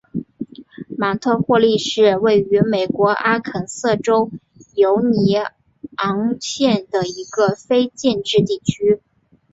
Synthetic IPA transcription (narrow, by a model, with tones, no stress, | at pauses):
ma˨˩t̪ʰɤ˥˧xwɔ˥˧li˥˧ʂɻ̩˥˧we˥˩ɪy˧˥me˨˩ɪkwɔ˧˥ʔa˥kʰə˨˩nsɤ˥˩ʈ͡ʂo˥ʊ | jo˧˥ʊni˧˥ | ɑ˧˥ŋt͡ɕʰjɛ˥˩nd̪ə˩i˧˥ɡə˧fe˥ɪt͡ɕjɛ˥˧nʈ͡ʂɻ̩˥˧t̪i˥˩t͡ɕʰy˥